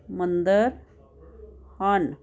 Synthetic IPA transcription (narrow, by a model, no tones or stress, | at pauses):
mɐnd̪ɐɾ | haːn